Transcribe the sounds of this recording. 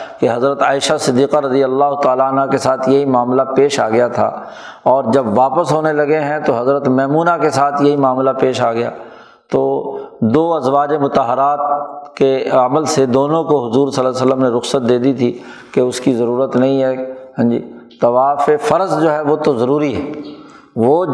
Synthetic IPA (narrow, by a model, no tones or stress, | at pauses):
keɦɐzɾət̪aːɪʃasɪd̪ːiːqaɾɐd̪ijəlːaːɦʊt̪aːlaənɦakesaːt̪ʰjɐɦimaːmlapeːʃaːɡɐjat̪ʰa̰ː | ɔːɾd͡ʒɐbʋaːpəsɦoːnelɐɡeɦɛ̃t̪oɦɐzɾət̪mɛːmuːnakesaːt̪ʰjɐɦimaːmlapeːʃaːɡɐja̰ː | t̪oːd̪oːɐzʋaːd͡ʒemʊt̪əɦəɾaːt̪̚keəməlsed̪oːnõkoɦʊzuːɾsɐlːsəlːəmneɾʊxsət̪̚d̪eːd̪it̪ʰi | keʊskizɐɾuːɾət̪nɐɦĩɦɛːsɐ̃nd͡ʒḭːt̪ɐʋaːfefɐɾəzd͡ʒoːɦɛʋot̪ozɐɾuːɾiɦɛː | ʋoː